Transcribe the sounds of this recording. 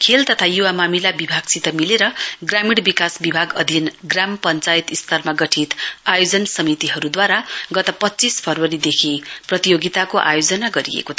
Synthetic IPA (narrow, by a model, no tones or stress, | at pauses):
kʰelt̪ʌt̪ʰajuwamamilabibʱaɡ̚t͡sit̪ʌmileɾʌɡramiɽbikasbibʱaɡʌd̪ʱinɡrampʌnt͡sajit̪ist̪ʌrmaɡʌʈʰit̪ajod͡zʌnsʌmit̪iɦʌɾud̪waɾaɡʌt̪ʌpʌtːt͡sispʰʌrwʌɾid̪ekʰiprʌt̪ijoɡit̪akoʔa̰jod͡zʌnaɡʌɾḭjḛkot̪ʰ